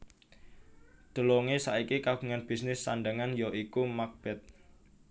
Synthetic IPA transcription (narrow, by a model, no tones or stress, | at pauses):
d̪̥ə̤lɔŋesaikikaɡ̥ṳŋanb̥i̤snɪsːanɖaŋanjɔʔikumak̚b̥ɛt̪̚